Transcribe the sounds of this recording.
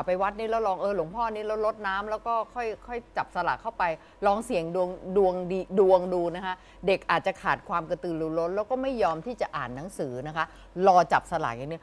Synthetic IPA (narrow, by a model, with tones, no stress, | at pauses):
a˨˩pa˧jwa˦˥t̪̚niː˦˥lɛː˦˥wlɔː˧ŋʔɤː˧lu˩˦ŋpʰɔː˥˩niː˦˥lɛː˦˥lo˦˥t̪̚naː˦˥mlɛː˦˥wkɔː˥˩kʰɔ˥˩jkʰɔ˥˩jt͡ɕa˨˩p̚sa˧la̰ː˨˩kʰːa˥˩wpa˧j | lɔː˧ŋsi˨˩əŋdu˧əŋdu˧əŋdiː˧du˧əŋduː˧na˦˥kʰa˦˥ʔ | de˨˩k̚ʔaː˨˩t̪̚t͡ɕa˨˩kʰaː˨˩t̪̚kʰwaː˧mka˧t̪ɯː˧luː˧lo˦˥lɛː˦˥wkɔː˥˩ma˥˩jːɔː˧mt̪ʰiː˥˩t͡ɕa˨˩ʔa̰ː˨˩nːa˦˥ŋsɯː˩˦na˦˥kʰa˦˥ʔ | lɔː˧t͡ɕa˨˩p̚sa˧la̰˨˩k̚ja˨˩n˦˥ə